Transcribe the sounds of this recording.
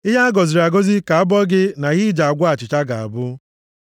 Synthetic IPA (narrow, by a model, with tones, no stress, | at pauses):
ɪ˦ɦa˦a˦ɡɔ˨zi˨ɾa˨ɡo˦zi˦ka˨a˦bɔ˦ɡɪ˦na˨ɣɪ˦d͡ʒa˨a˨ɡʷa˦a˨t͡ʃɪ˨t͡ʃa˦ɡa˨a̰˨bʊ˦